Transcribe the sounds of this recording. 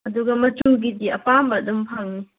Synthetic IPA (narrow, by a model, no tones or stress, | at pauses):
ɐduɡɐmɐt͡ʃuŋɡ̬idiɐpambɐdɔmpʰaŋni